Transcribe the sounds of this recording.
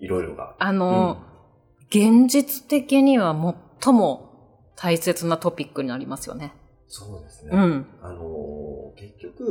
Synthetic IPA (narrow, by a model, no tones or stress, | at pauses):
iɾo̞iɾo̰ɡa̰ano̞ | ɡ̥ẽ̞ɲ̟d͡ʑit͡sɨ̥t̪e̞kʲiɲ̟iβamo̞t̪ʰːo̞mo̞ | t̪ʰaise̞t͡sɨnat̪o̞pʲikːɯ̟ɲ̟inaɾʲimasɨjo̞̰ne̞ | so̞ːd̪e̞sɨneɯ̟̃ɴanoke̞kʲːokɯ̟